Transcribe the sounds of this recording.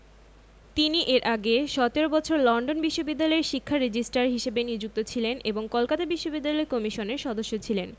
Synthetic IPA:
t̪iniʔeɾʔaɡeʃɔt̪eɾobɔt͡ɕʰoɾlɔɳɖonbiʃːobid̪ːalɔeɾʃikʰːaɾed͡ʑisʈaɾɦiʃebenid͡ʑuk̚t̪ot͡ɕʰilenʔeboŋkɔlkat̪abiʃːobid̪ːalɔekɔmiʃoneɾʃɔd̪oʃːot͡ɕʰilen

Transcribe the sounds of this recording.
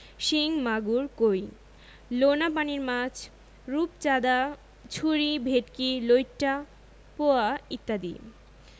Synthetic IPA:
ʃiŋmaɡuɾkoj | lonap̬aniɾmãd͡ʑʰ | ɾup̚t͡ɕad̪a | t͡ɕʰuɾibʱeʈkilojʈʈa | poait̪ːad̪ḭ

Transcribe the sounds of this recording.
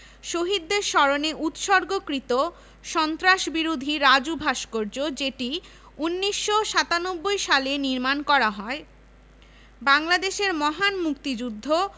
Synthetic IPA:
ʃoɦid̪ːeɾʃɔɾoneʔut̪ʃɔɾɡokɾit̪o | ʃɔnt̪ɾaʃbiɾod̪ʱiɾad͡ʑubʱaʃkoɾd͡ʑod͡ʑeʈi | unːiʃːoʃat̪anobːojʃaleniɾmankɔɾaɦɔe | baŋlad̪eʃeɾmɔɦanmukt̪id͡ʑud̪ʱːo

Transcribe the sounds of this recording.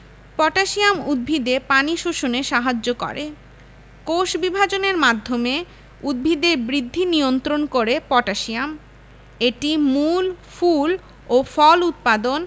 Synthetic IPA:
pɔʈaʃijamud̪̚bʱid̪epaniʃoʃoneʃaɦad͡ʑːokɔ̰ɾe | koʃbibʱad͡ʑoneɾmad̪ʱːome | ud̪̚bʱid̪eɾbɾid̪ʱːinijont̪ɾonkoɾepɔʈaʃiam | eʈimulful | ofɔlut̪̚pad̪on

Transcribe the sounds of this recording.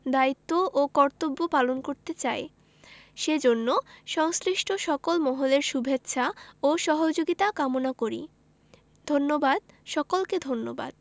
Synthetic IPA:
d̪ait̪ːoʔokɔɾt̪obːopalonkoɾt̪et͡ɕae | ʃed͡ʑonːoʃɔŋsɾiʃʈʰoʃɔkolmɔɦoleɾʃubʱetːɕʰaoʃɔɦod͡ʑoɡit̪akamonakoɾḭ | d̪ʱonːobad̪̚ʃɔkolked̪ʱonːoba̰d̪̥̚

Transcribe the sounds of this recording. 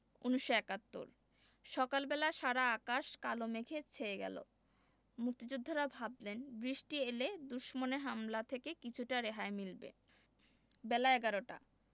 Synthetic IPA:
uniʃːoɛkat̪ːo̰ɾ | ʃɔkalbɛlaʃaɽaakaʃkalomekʰet͡ɕʰeeɡɛ̰lo̰ | muk̚t̪id͡ʑud̪ʱːoɾabʱablenbɾiʃʈieled̪uʃmoneɾɦamlat̪ʰekekit͡ɕʰuʈaɾeɦaemilbḛ | bɛlaɛɡaɾoʈa̰

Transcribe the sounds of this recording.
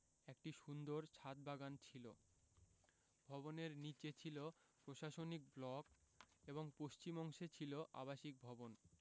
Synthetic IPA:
ek̚ʈiʃund̪oɾt͡ɕʰat̪̚baɡant͡ɕʰilo | bʱɔboneɾnit͡ɕet͡ɕʰilo | pɾoʃaʃonik̚blɔk | eβoŋpoʃt͡ɕimɔŋʃet͡ɕʰiloʔa̰baʃik̚bʱɔbon

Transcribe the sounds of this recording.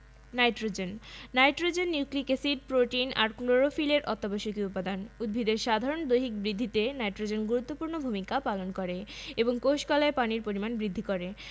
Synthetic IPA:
najʈɾod͡ʑenːajʈɾod͡ʑenːuklikesiɖ̚pɾoʈinaɾkloɾofileɾʔɔ̰t̪ːaboʃokiut̪pːad̪anud̪̚bʱid̪eɾʃad̪ʱaɾond̪ojɦik̚bɾid̪ʱːit̪enajʈɾod͡ʑenɡuɾut̪ːopuɾnobʱumikapalonkoɾeeboŋkowʃkɔlaepaniɾpoɾimanbɾid̪ʱːikoɾe

